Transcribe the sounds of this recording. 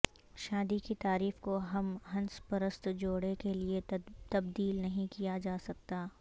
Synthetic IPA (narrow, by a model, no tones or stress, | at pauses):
ʃaːd̪ikit̪aːɾiːfkoɦɐmɦɐ̃nspəɾəst̪d͡ʒoːɽekeliet̪ɐbd̪iːlnɐɦĩkijad͡ʒaːsɐk̚t̪aː